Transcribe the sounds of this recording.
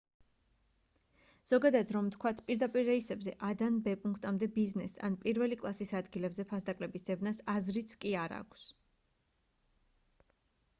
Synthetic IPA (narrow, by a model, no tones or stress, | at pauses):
z̥ɔɡad̪ad̪ɾɔmt̪ʰkʰwat̪ʰpʼiɾd̪apʼiɾːɛisɛbzɛʔad̪anbɛpʼuŋkʰt̪ʼamd̪ɛbiznɛsa̰npʼiɾvɛlikʼlˠasisad̪ɡilɛbzɛpʰasd̪akʼlɛbisd̪̥ɛbnasazɾit̪sʰkʼiaɾa̰kʷʰs